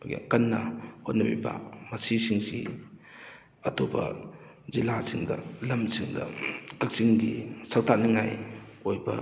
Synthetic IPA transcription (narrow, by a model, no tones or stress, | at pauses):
ɡa̰kɐnːɐhot̚nɐbibɐ̰mɐsisiŋsḭ | ɐtʰobɐ̰ | zilasiŋdɐlɐmsiŋdɐ̰kɐk̚siŋɡisɐk̚tʰanɐŋa̰jojbɐ